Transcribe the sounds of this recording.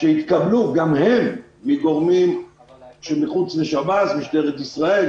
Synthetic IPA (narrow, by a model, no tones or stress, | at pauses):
ʃeit̪kabluɡamhemː | iɡoʁmim | ʃemiχut͡sleʃabasmiʃdeʁet̪isʁael